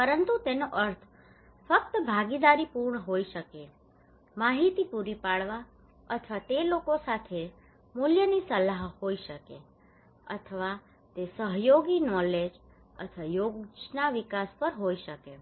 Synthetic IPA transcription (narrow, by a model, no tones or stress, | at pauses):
pəɾənt̪ut̪enoʔəɾt̪ʰ | fək̚t̪əbʱaɡid̪aɾipuɾɳəɦoiʃəke | maɦit̪ipuɾipaɭʋa | ət̪ʰʋat̪elokosat̪ʰe | muljənisəlaɦhoiʃəke | ə̰t̪ʰəʋa | t̪esəɦjoɡinɔled͡ʒ | ə̰t̪ʰəʋajoɡd͡ʒnaʋikaspəɾɦoiʃəke